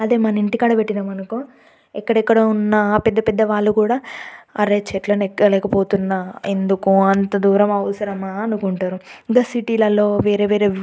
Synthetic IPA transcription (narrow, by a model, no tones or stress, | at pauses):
ɐd̪eːmɐnɐiɳʈikɐːɽɐpeʈːinɐmɐnɐku | ɛkːɐɽɛkːɐɽɐunːɐpɛd̪ːɐpɛd̪ːɐʋaːɭːukuːɽaːɐɾeːt͡ʃɛʈlɐnɛkːɐlɛːkɐpo̞ːt̪unːɐend̪ukuɐnt̪ɐd̪uːɾɐmɐʋɐsɐɾɐmaːɐnukuɳʈaːɾuŋɡɐsiʈiːlɐlo̞ːʋeːɾeːʋeːɾeː